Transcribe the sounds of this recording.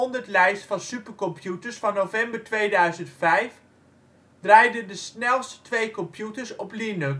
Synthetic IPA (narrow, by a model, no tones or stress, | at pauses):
ɔndəɹtlɛjstfɑnsypəɹkɔmpʰjutəɹsfɑnːovɛmbəɹtʋejdœɥzəntfɛjf | d̥rɑjdəndəsnɛlˠsttʋejkɔmpjutəɹsɔplinɵk